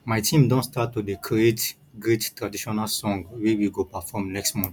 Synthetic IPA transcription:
majtʰĩmdɔ̃nstatːudekʰiet | ɡɾettːɹadiʃɔnalsɔ̃ŋɡwewiɡopafɔmnɛkstmɔ̃nθ

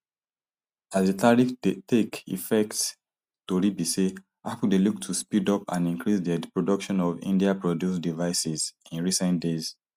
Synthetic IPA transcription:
asdetʰaɹitekḭfɛkt | toɹibise | afudeluk̚tʰuspidɔpã̰nĩŋkɹisdɛdpɹodɔkʃɔ̃nɔvḭ̃ndiapɹɔdjusdivaɪsizĩnɹisɛ̃nt̚dez̥

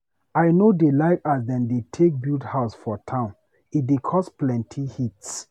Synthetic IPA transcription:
aɪnodelaɪkasdɛ̃ndetʰek̚bildhaʊsfɔtʰãʊ̃n | it̚dekʰɔsplɛ̃ntʰihits

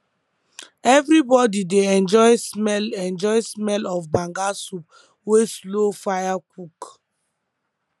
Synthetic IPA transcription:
ɛvɾibɔdideɛ̃nd͡ʒɔjsmɛlɛ̃nd͡ʒɔjsmɛlɔfbãŋɡasup̚ | weslofajakuk

